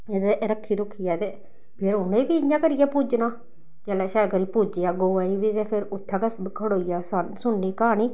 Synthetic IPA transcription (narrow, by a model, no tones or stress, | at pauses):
ed̪eɾəkʰːiːɾʊkʰːɪjaːd̪eː | pʰɪɾʊnẽːbiːɪɲãːkəɾɪjaːpuːd͡ʒnãː | d͡ʒeːlaːʃaːkəɾiːpuːd͡ʒjaːɡoːaːiːʋiːt̪eːpʰɪɾʊt̪ʰːãːkekʰəɽoːijaːsansʊnːiːkəɦaːniː